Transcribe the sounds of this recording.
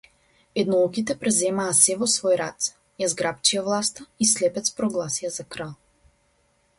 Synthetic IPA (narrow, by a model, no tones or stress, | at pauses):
ɛd̪nɔukit̪ɛpɾɛzɛmaːsɛvɔsvɔjɾa̰t̪sɛ̥ | jazɡɾap̚t͡ʃiavlˠast̪aislɛpɛt̪spɾɔɡlˠasijazakɾalˠ